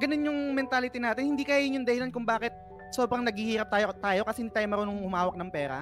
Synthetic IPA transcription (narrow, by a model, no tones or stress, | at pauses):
ɡɐnonjʊŋmɛnt̪aːlɪt̪inaːt̪ɪnhɪnd̪iːkɐajɪnjʊnd̪ɐhɪlankʊŋbaːkɪt̪̚ | so̞ːbɾɐŋnɐɡ̚hihiːɾɐp̚t̪aːjot̪aːjo̞kɐsɛhɪnd̪iːt̪aːjomɐɾonʊŋhʊmaːwɐk̚nɐŋpɛːɾɐ̰